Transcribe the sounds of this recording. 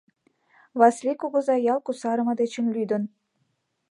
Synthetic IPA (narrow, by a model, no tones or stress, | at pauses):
βɑslʲikoɣɤ̆zɑjɑlˠkusɑɾə̆mɤ̆d̪et͡ɕə̆mlyd̪ə̆n